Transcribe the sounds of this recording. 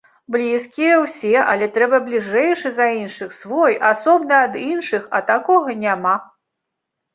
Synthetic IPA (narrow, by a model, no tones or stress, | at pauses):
blʲiskʲijɐwsʲɛʔɐlʲɛt̪ɾɛbɐblʲiʐɛjʂɨzɐinʂɨxsvɔjasɔbnɨɐd̪inʂɨxɐ̰t̪akɔɣɐnʲama